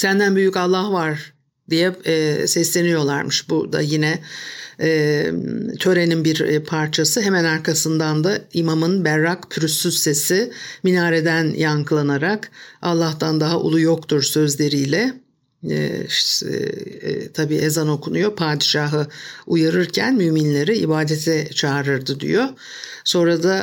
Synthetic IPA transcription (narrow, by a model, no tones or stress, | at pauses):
sænd̪ænbyjycalˠːahvaɾ | d̪ijɛːsɛslʲe̞nijo̞lˠaɾmɯʃbud̪a̰jinɛ | ɛː | t̪ʰø̞ɾe̞ninbiɾpʰaɾt͡ʃʰasɯɦemænaɾkʰasɯnd̪and̪aimamɯnbæɾːakpʰyɾysːyzse̞siminaːɾed̪ænjaŋkʰlˠanaɾakalˠːaht̪ʰand̪aɦaʔṵlˠujo̞kt̪ʰuɾsø̞zlʲe̞ɾijlʲɛ̰ | t̪ʰabiːʔezano̞kʰunujo̞pʰaːd̪iʃaːɦɯujaɾɯɾcʰænmyːminlʲe̞ɾiḭbaːd̪et̪ʰɛt͡ʃʰaːɾɯɾd̪ɯd̪ḭjo̞ | so̞nɾad̪a